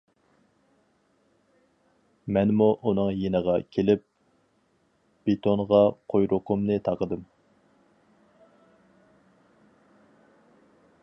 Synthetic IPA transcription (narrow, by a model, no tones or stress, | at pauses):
mɛnmuʔunɨŋjenəʁɑkʲʰelɪp̚ | b̥et̪ʰoɴʁɑqʰojɾʔʊqʰʊmnɨt̪ʰɑqəd̪ɨm